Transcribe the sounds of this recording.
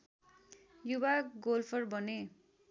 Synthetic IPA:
jubaɡolpʰʌrbʌne

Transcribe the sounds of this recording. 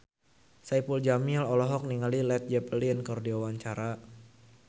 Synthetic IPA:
sajpuld͡ʒamilɔlɔɦɔk̚niŋalilɛt̪̚d͡ʒɛpəlinkɔrdiawaɲt͡ʃaɾa

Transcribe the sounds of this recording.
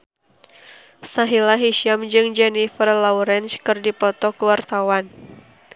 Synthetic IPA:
saɦilaɦiʃiamd͡ʒɨŋd͡ʒɛnifərlɔwɾɛnskɨrdipɔt̪ɔkəwart̪awan

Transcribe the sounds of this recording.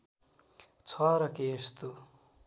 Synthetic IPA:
t͡sʰʌɾʌkeːst̪o

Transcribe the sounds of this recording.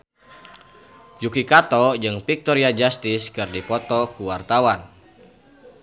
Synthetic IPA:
jukikat̪ɔd͡ʒɨŋpik̚t̪ɔɾiad͡ʒast̪ɪskɨrdipɔt̪ɔkuwart̪awan

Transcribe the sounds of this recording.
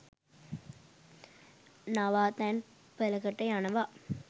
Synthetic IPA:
nɐʋaːt̪aːn | pɛlɐɣɐʈːɐɪanɐʋaː

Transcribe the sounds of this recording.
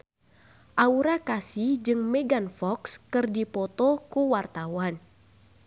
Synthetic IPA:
ʔauɾakasid͡ʒɨŋmɛɡanfɔkskɨrdipɔt̪ɔkuwart̪awan

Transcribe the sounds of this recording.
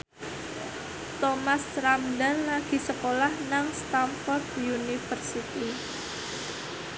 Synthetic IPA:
t̪omasɾamdanlaɡ̥i̤səkolahnaŋst̪amfɔrd̪junifərsit̪i

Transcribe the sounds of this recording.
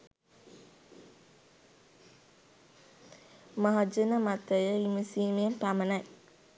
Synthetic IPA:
maɦad͡ʒənəmat̪əjəimusiːmijepamənaj

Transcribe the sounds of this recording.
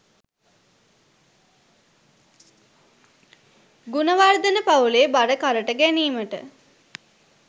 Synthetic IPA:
ɡunəʋaɾd̪ənəpauleːbaɖəkaɾəʈəɡæniːməʈə̰

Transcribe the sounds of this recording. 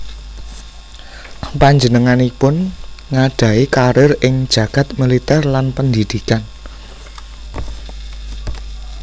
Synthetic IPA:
paɲd͡ʒə̤nəŋanipʊnŋaɖ̥ä̤ikaɾɪrɪŋd̥ʒ̥ä̤ɡ̥ä̤t̪̚milit̪ɛrlanpənd̪id̪̥ikan

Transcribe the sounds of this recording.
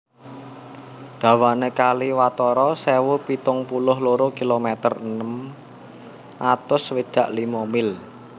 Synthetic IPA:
d̪̥ä̤wanekaliwat̪ɔɾɔsewʊpit̪ʊŋpulʊɦloɾʊkilomɛt̪ərənəm | ʔat̪ʊswid̪̥a̤ʔlimɔmɪl

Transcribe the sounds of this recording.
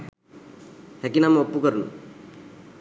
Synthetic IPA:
hekinamũopːukəɾunṵ

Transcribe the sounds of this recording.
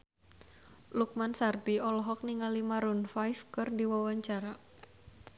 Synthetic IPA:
luk̚mansardiɔlɔɦɔk̚niŋalimaɾunfajfkɨrdiwawaɲt͡ʃaɾa

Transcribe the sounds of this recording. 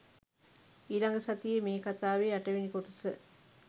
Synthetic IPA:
iːlɐŋɡɐsɐt̪ijemeːkɐt̪aːʋeːɐʈɐʋinikoʈusɨ

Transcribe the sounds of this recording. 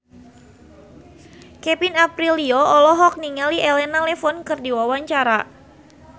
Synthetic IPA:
kɛpinapɾiliɔɔlɔɦɔk̚niŋaliʔɛlɛnalɛfɔnkɨrdiwawaɲt͡ʃaɾa

